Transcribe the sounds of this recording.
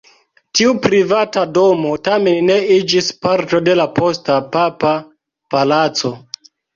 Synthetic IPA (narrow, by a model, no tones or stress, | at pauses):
tiupɾivatado̞mo̞tame̞nːe̞id͡ʒispaɾto̞de̞lapʰo̞stapapa | palat͡so̞